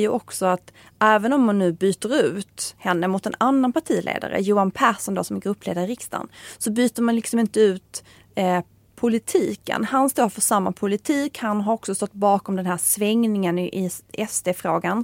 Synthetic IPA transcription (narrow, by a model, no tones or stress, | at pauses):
jɵʔɔksɔat̪ | ʔɛːvənɔmːanːʉ̟ːbyːt̪əɾʉ̟ːt̪hɛnːəmʊt̪ːɛnanːanpaʈʰiːlʔḛːd̪a̰ɾə̰juːanpʰæːʂɔnd̪o̰ːsɔmɛɡɾɵpːlḛːd̪aɾɪɾɪkst̪a̰nsɔbyːt̪əɾmanlɪksɔmɪnt̪əʉ̟ːt̪ | pʰʊlɪt̪ʰiːkə̰nhanst̪oːɾfœʂamːa̰pʰʊlɪt̪ʰiːkhanɦaɾɔksɔst̪ɔt̪ːbɑːkɔmd̪ɛnɦæːsvɛŋnɪŋənɪʔɪɛst̪ʰeːfɾoːɡan